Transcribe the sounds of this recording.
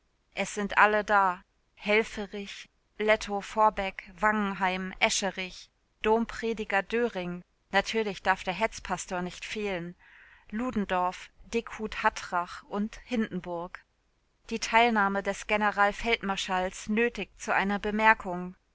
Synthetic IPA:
ʔɛsz̥ɪntʔalədaː | hɛlfəʁɪç | lɛtʰofɔɐbɛkv̥aŋŋ̩ɦaɪmʔɛʃəʁɪç | d̥oːmpʁ̥eːdɪɡɐdøːʁɪŋ | natʰyːɐlɪçd̥aɐfd̥eːɐɦɛt͡spʰastoːɐnɪçtfeːlənluːdn̩dɔɐfd̥ɪkhuːthatʁ̥aχʔʊnthɪndn̩bʊɐk | d̥iːtʰaɪlnaːmədɛsɡ̥enəʁaːlfɛltmaɐʃalsnøːtɪçt͡suʔa̰ɪnɐbəmɛɐkʰʊŋ

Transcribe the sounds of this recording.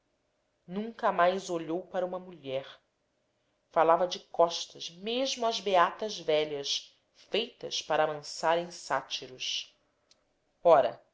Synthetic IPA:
nũŋkɐmajzoʎowpaɾɐũmɐmuʎɛɾ | falavɐd͡ʒɪkɔʃt̪ɐʃmeʒmʊɐzbeat̪ɐzvɛʎɐʃ | fejt̪ɐ̰ʃpaɾaːmɐ̃saɾẽj̃sat͡ʃiɾuʃ | ɔɾɐ̰

